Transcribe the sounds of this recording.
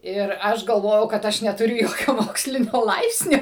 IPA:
ˈɪr ˈɐʃ ɡɐlˠˈʋoːjɛʊ kɐt ˈɐʃ nʲɛtʊˈrʲʊ ˈjoːkʲoː ˈmoːksʲlʲɪnʲoː ˈlˠɐɪpʲsʲnʲoː

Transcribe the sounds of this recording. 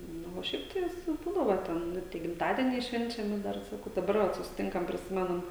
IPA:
ˈnʊ oː ˈʃʲɛɪp tɐɪ ˈʋʲɪs ˈbuːdɐʋoː ˈtʲɛn ˈnʊ tʲiɛ ɡʲɪmˈtɑːdʲiɛnʲɛɪ ˈʃʲʋʲɛnʲt͡ʃʲɛmʲɪ ˈdɐr sɐˈkɐʊ dɐˈbɐr ˈʋɐt sʊsʲɪˈtʲɪŋkɐm pʲrʲɪˈsʲɪmʲɛnɐm

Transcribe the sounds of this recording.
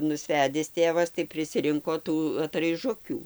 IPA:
nʊsʲˈʋʲæːdʲɪs ˈtʲeːʋɐs tɐɪ pʲrʲɪsʲɪˈrʲɪŋkoː ˈtuː ɐtrɐɪˈʒʊkʲuː

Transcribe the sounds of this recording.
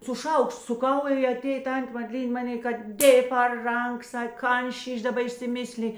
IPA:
sʊ ˈʃɐʊkʃt sʊˈkɐʊ ɪ ɐˈtʲeːj ˈtɐnʲtʲeː mɐdʲˈlʲiːnʲ ˈmɑːˌnʲeː kɐt ˈdʲeːj pɐr ˈrɐŋk ˈsɐk ˈkɐn ˈʃʲiːʃʲ dɐˈbɐ ɪʃʲsʲɪˈmʲɪsʲlʲɪ

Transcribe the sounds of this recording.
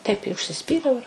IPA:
tɐɪp ɪ ʊʃʲsʲɪˈsʲpʲiːrʲɛʊ ɪr

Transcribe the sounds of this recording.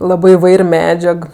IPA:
ˈlˠɑːbɜ ɪˈʋɐɪrʲ ˈmʲæːd͡ʒʲɛk

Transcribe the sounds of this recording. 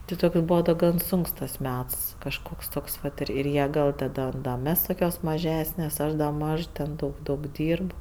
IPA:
tʲɪ ˈtoːks ˈbuːʋɐ dɐ ˈɡɐn ˈsʊŋks tɐs ˈmʲɛts kɐʃˈkoːks ˈtoːks ʋɐt ɪr ɪr ˈjiɛ ˈɡɐlˠ tɐˈdoːm dɐ ˈmʲɛs toːˈkʲoːs mɐˈʒʲæːsʲnʲeːs ˈɐʃ dɐ ˈmɐʃ tʲɛn ˈdɐʊk ˈdɐʊk ˈdʲiːrp

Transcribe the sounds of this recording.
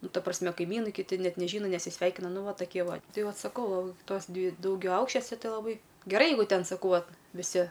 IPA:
ˈnʊ ˈtɐ prɐsʲˈmʲɛ kɐɪˈmʲiːnɐɪ kʲɪˈtʲɪ ˈnʲɛt nʲɛˈʒʲiːnɐ nʲɛsʲɪˈsʲʋʲɛɪkʲɪnɐ ˈnʊ ˈʋɐ tɐˈkʲiɛ ˈʋɐ ˈtɐɪ ˈʋɐt sɐˈkɐʊ ˈtoːs ˈdʲʋʲɪ dɐʊɡʲɛˈɐʊkʃʲt͡ʃʲoːsʲɛ ˈtɐɪ lˠɐˈbɐɪ ɡʲɛˈrɐɪ ˈjɛɪɡʊ ˈtʲɛn sɐˈkɐʊ ˈʋɐt ʋʲɪˈsʲɪ

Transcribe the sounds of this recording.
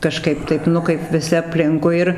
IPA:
kɐˈʃkɐɪp ˈtɐɪp ˈnʊ kɐɪp ʋʲɪˈsʲɪ ɐpʲˈlʲɪŋkʊɪ ɪr

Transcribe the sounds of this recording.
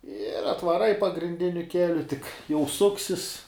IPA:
ɪr ɐtʋɐˈrɐɪ pɐɡrʲɪnʲˈdʲɪnʲʊ ˈkʲæːlʲʊ tʲɪk jɛʊ ˈsʊksʲɪs

